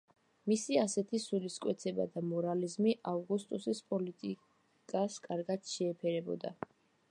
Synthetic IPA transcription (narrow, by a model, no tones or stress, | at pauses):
misiasɛt̪ʰisuliskʼwɛt̪sʰɛba̰d̪amɔɾalizmiʔavɡust̪ʼusispʼɔlit̪ʼi | kʼaskʼaɾɡad̪̥ʃɛːpʰɛɾɛbɔ̰d̪a̰